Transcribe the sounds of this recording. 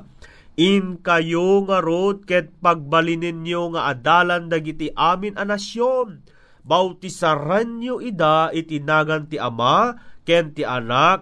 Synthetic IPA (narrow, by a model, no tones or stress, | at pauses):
ʔɪnkɐjoŋɐɾod̪̚kɛd̪̚pɐɡ̚bɐlinɪnjoŋaʔad̪aːland̪ɐɡɪt̪iʔaːmɪnʔɐnasjon | bawt̪ɪsaɾanɲoʔɪd̪aʔit̪ɪnaːɡɐnt̪ɪʔɐmakɛnt̪ɪʔɐnak̚